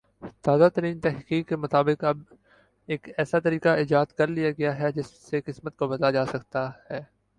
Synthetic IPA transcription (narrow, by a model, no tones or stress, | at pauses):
t̪aːzat̪əɾiːnt̪ɛɦqiːkːemʊt̪aːbɪqɐb | eːkɛːsat̪ɐɾiːqaɪːd͡ʒaːd̪kɐɾlijaɡɐjaɦɛd͡ʒɪsːekɪsmət̪̚kobɐd̪lad͡ʒaːsɐkt̪ahɛː